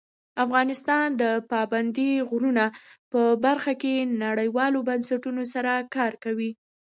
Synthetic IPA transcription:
afɣɑnɪst̪ɑnd̪əpɑband̪iɣɾunapəbaɾxakenaɽəjwɑlobansaʈunosaɾakɑɾkawi

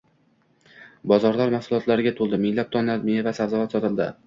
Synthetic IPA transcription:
bɒzɒɾlaɾmahsʊlˠɒt̪laɾɪɡʲat̪ʰolˠd̪ɪmɪŋlap̚t̪ʰɒnlaɾmevasavzavat̪sɒt̪ɪlˠd̪ɪ̰

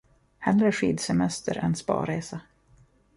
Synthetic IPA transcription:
hɛlɾəʂiːd̪sɛmɛst̪ʰəɾʔɛnspɑ̰ːɾeːsa

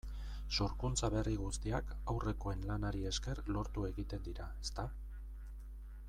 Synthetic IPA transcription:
so̞ɾkunt͡saβe̞riɣ̞ust̪iakawre̞ko̞e̞nlanaɾie̞ske̞rlo̞ɾt̪ue̞ɣit̪e̞nd̪iɾaest̪a

